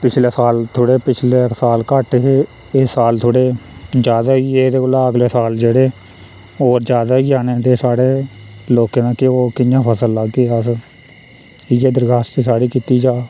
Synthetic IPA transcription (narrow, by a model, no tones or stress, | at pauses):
pɪt͡ʃʰleːsaːlt̪ʰoːɽeːpɪt͡ʃʰleːsaːlkəʈe | esaːlt̪ʰoːɽeːd͡ʒjaːd̪aːiːeːd̪eːolaːəɡleːsaːld͡ʒeːɽeː | oːɾd͡ʒjaːd̪aːiːaːneːt̪eːsaːɽeː | loːkẽːnãːkɪoːkɪjãːpʰəsəlːəɡeːəs | ɪjeːd̪əɾɡaːst̪t͡ʃiːsaːɽiːkiːt̪iːd͡ʒaː